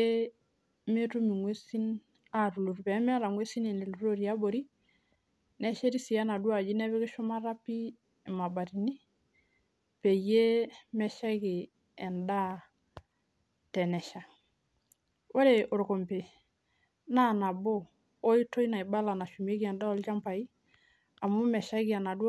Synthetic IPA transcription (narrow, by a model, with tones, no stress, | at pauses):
e˦ | me˦tu˦mi˨ŋwe˦si˦n | a˦˨tu˨lu˨ɾpɛ˨˦mɛ˦ɾa˨ŋwe˦si˦ne˨ne˨lu˨ɾo˦ɾi˨a˦bo˨ɾi˦ | nɛ˦ʃe˦ɾi˦si˨ja˦na˨du˦a˨d͡ʒi˦nɛ˦βɛ˦kɪ˦ʃʊ˦ma˦ɾa˦pi˦˨ | ma˨ba˨ti˨ni˦ | pe˨je˦mɛ˨ʃa˦kɪ˨ | ɛ˨nda˦ | tɛ˨nɛ˨ʃa˨ | wo˦ɾe˨ʔo˨ɾko˨mpe˨ | na˦na˨boː˦ | i˦to˦i˦na˨i˨ba˦la˨na˨ʃu˨m˦e˦ki˦ɛ˨nda˦ɔ˦lt͡ʃa˦mpa˨i˦ | a˨mu˦mɛ˨ʃa˦ɡi˨a˨na˨du˦